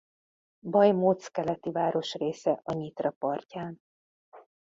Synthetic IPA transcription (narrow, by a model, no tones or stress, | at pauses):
bɒjmoːt̪skɛlɛt̪ivaːɾo̞ʃreːsɛʔɒɲit̪rɒpɒrcaːn